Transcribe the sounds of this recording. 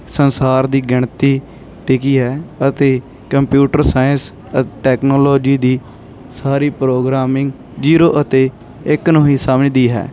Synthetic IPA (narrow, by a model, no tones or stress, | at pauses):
sənsaːɾd̪iːɡɪɳt̪iː | ʈɪkiːɦɛːət̪eː | kəmpjuːʈəɾsaːjəns | əʈɛːknoːlɔːd͡ʒiːd̪iː | saːɾiːpɾoːɡɾaːmɪŋɡ | d͡ʒiːɾoːʔət̪eː | ɪknoːiːsaːmnẽːd̪iːɦɛ̰ː